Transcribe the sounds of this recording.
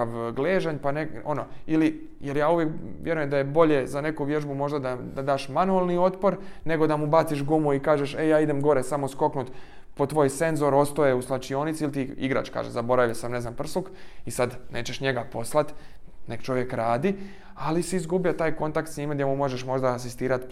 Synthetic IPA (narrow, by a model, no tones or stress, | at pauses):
aʋɡleːʒaɲpaneo̞noili | jeɾjaːuʋjekʋje̞ɾuje̞md̪aje̞bo̞ʎe̞zane̞kuʋje̞ʒbumo̞ʒd̪ad̪ad̪ad̪aːʃmanualˠnio̞t̪po̞ɾne̞ɡo̞d̪amubat̪siʃ̬ɡumuikaːʒeʃejaːid̪emɡo̞ɾesamosko̞knut̪ | po̞t̪ʋo̞ːjse̞nzo̞ɾo̞st̪ojeuslat͡ʃio̞ːnit̪silt̪iḭɡɾa̰t͡ʃka̰ːʒezabo̞ɾaʋjasamne̞znampr̩sukisad̪ne̞ːt͡ɕeʃɲe̞ɡapo̞slˠat̪ | ne̞kt͡ʃo̞ʋje̞kɾaːd̪i | alisiizɡubijat̪aːjko̞nt̪akt̪sɲiːmaɡdjemumo̞ʒeʃmo̞ʒd̪aːsist̪iːɾat̪